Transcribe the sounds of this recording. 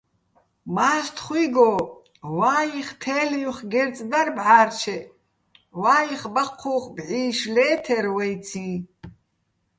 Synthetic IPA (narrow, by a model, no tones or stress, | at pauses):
maːst̪ʰχʷwiɡɔ | waːjiχt̪ʰɛːlijuχɡɛɾt͡sʼd̪arbʕaːrt͡ʃʰɛ | waːjiχbaqʰːuχbʕiːʃlɛːt̪ʰɛɾwɛjt͡sʰi